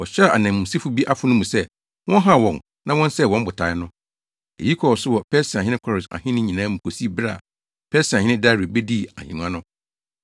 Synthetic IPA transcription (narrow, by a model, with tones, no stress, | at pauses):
wɔ˨ɕᶣɛ˦˨a˨nã˨mũ˨si˦fu˦bi˦ʔa˦fʊ˦nʊ̃˦mũ˨sɛ˦ | wɔ̃˦ɦa˦˨wɔ̃˨n | nã˦wɔ̃˦n˦sɛ˦˨wɔ̃˦m˦bʊ˨tʰa˨ɪ˦nʊ̃˦ | ḛ˨ji˦kʰɔ˨wɔ˨sʊ˦wɔ˨pʰɛ˦si˨a˨ɲɪ̃˦nɪ̃˦kʰɔ˦ɾɪ˨sa̰˨hɪ̃˦nɪ̃˦ɲĩ˨nãː˦m̩̃˨pʰo˨si˦bɾa̰˦˨ | pʰɛ˦si˨a˨hɪ̃˦nɪ̃˦da˦˨ɾi˨bɛ˦di˦˨a˨hĩ˨n˨ã˦nʊ̃˦